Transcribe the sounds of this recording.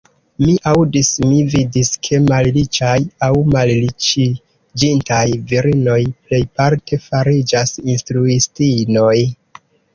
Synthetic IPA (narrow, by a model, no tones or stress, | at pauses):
miʔawdismividiskʰe̞mallit͡ʃajawmallit͡ʃi | d͡ʒintajviɾino̞jple̞jpaɾtʰe̞faɾid͡ʒasinstɾuistino̞j